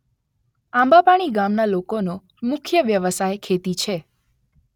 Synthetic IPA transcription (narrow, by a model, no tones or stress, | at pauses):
ãmbapaɽ̃iɡamnalokono | mʊkʰjəʋjəʋəsajkʰet̪it͡ʃʰe